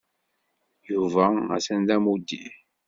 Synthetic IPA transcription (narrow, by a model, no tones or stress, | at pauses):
juvææ̰sænd̪æmud̪ːḭ